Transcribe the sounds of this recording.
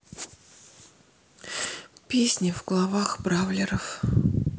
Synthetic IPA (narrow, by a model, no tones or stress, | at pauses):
pʲesʲnʲɪvɡlˠɐvaxbɾavlʲɪɾəf